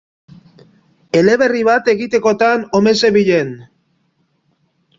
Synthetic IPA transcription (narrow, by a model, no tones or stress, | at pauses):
e̞le̞βe̞riβ̞at̪e̞ɣit̪e̞ko̞t̪ano̞me̞se̞βiʎe̞n